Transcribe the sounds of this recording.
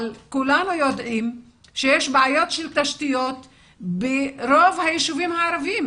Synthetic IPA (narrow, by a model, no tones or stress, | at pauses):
lkulanujo̞d̪ʔim | ʃejeʃbeajo̞t̪ʃelt̪aʃt̪ijo̞t̪ | beɾo̞vhajiʃuvimhaːɾavim